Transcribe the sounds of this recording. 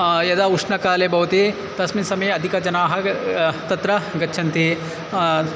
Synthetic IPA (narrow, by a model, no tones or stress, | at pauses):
jɐd̪aːuʂɳɐkaːleːbʱɐʋɐt̪i | t̪ɐsminsɐmɐjeɐd̪ʱikɐd͡ʒɐnaːɦɐt̪ɐt̪ɾɐɡɐtːt͡ʃʰɐnt̪i